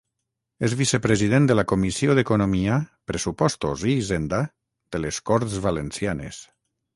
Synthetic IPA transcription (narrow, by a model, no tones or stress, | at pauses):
ezβisepɾezið̞end̪əlakomisioðekonomiapɾesupɔst̪oziːzend̪a | d̪̥eleskɔɾt̪zβalensjanḛs